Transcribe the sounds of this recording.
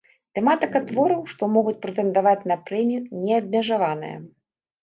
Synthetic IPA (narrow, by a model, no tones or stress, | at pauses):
t̪ɛmat̪ɨkat̪vɔɾɐwʂt̪ɔmɔɣut͡sʲpɾɛt̪ɛnd̪avat͡sʲnɐpɾɛmʲijunʲɛɐbʲmʲɛʐavanɨ̰jɐ̰